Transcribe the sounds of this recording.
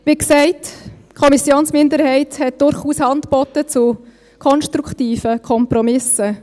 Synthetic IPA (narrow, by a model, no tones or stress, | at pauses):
ʋiksɛɪt | kʰɔmisjoːnsmɪndəɾhɛɪthɛt̚d̥ʊɾχuːshɑntpɔtːət͡su | kʰɔnʃtɾuktiːfəkʰɔmpɾɔmɪsə